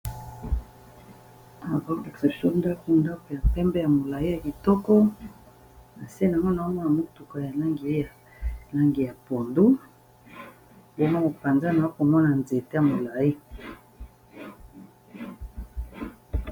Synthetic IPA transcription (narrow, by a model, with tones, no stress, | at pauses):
a˨vɔ˦ɛ˨kse˨psɔ˦n˦da˦ko˦nda˦ke˨ja˨pɛ˦mbɛ˦ja˨mo˨la˨i˦ja˨ki˨tɔ˦kɔ˦ | na˨se˦na˨ŋɡo˦na˨o˦mɔ˦na˨mo˦tu˨ka˨ja˨la˦ŋɡi˨e˦ja˨ | la˦ŋɡi˨ja˨po˨ndu˦ | bo˦ma˦ko˨pa˨nza˦na˨o˦ko˨mɔ˦na˨nze˨te˦a˨mo˨la˨i˦